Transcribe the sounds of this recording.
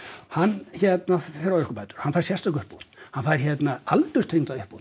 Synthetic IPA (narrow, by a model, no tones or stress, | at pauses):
hanːçɛt̪naffɪɾaɪskɔpaːjt̪ʏ̥ɾ̥hanfajɾ̥sjɛst̪akʏhpːut̪hanfaːjɾ̥çɛt̪naalt̪ʏst̪ʰemt̪aʏhput̪